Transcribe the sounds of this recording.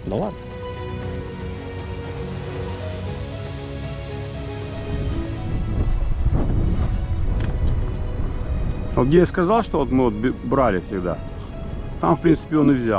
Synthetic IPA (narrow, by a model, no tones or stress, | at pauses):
d̪ɐlˠad̪nə | od̪ɡd̪ʲejaskɐzalˠʂt̪ovot̪mɨvot̪̚bbɾalʲɪfʲsʲɪɡd̪a̰ | t̪amfpɾʲint̪sɨ̥pʲɪo̞nɨvzʲa